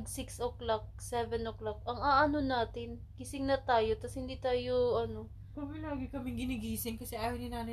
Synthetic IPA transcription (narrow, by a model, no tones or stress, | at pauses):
ɡsɪksoklak̚sɛvɛnʔoklak̚ʔɐŋaːʔanonaːt̪ɪnkisɪŋnɐt̪aːjo̞t̪ɐshɪnd̪iːt̪aːjoʔɐno̞ | kʊmɛlaːɡɪkɐmɪŋɡɪnɪɡiːsɪŋkɐsɛʔaːjɐwnɪnaːnɐ